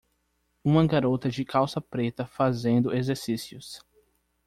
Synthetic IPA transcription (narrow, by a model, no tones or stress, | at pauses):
ũmɐɡaɾot̪ɐd͡ʒɪkʰawsɐpɾet̪ɐfazẽnd̪ʊezeɾsisiʊs